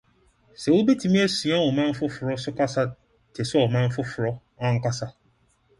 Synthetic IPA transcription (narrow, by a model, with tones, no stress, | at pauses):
sɛ˨wo˦bi˦tʰi˨mĩ˦e˦si˨ã˦wɔ˨mã˦m̩˦fʊ˦fʊ˨ɾɔ˦sʊ˦ka˦sa˦ | tʰe˨sʊ˦ɔ˨mã˦ɱ̩˦fʊ˦fʊ˨ɾɔ˦ | ã˦ŋ̩˦ka˦sa˦